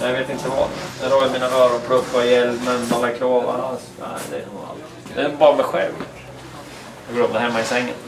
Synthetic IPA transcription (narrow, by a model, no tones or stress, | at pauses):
javeːt̪ɪnt̪əvɑ̰jaɾoːjəɾmiːnaɾœːɾaɾpʰlɵfːaɪjɛlmɛnmalːakʰɾoːva̰ɾasnæ̰ɪd̪ɛ̰ɛnua̰lt̪ | ɛbɑːɾamɛɧɛ̰lv | jɑɡoːɾɔpd̪əhɛmːaɪsɛŋːə̰n